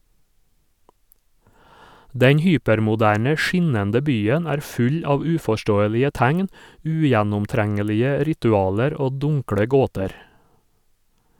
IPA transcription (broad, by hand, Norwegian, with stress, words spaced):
ˈdɛɲ ˈhyːpɛɾmʊˌdæːɳə ˈʃɪnɛndə ˈbyːən ˈæːɾ ˈfʉʎ ˈɑːʋ ˈʉːfɔˌʃtoːəlɪə ˈtæŋn ˈʉːjænʊmˌtɾæŋəlɪə ˈɾɪtʉˌɑːləɾ ˈoː ˈdʊŋkɽə ˈɡoːtɛɾ